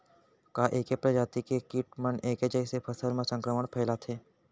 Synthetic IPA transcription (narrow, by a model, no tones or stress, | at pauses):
kaʔeːkepɾɐd͡ʒaːt̪ikekiːʈməneːked͡ʒəsepʰəsəlmẽsə̃ŋkɾəməɽ̃pʰɛːlat̪ʰeː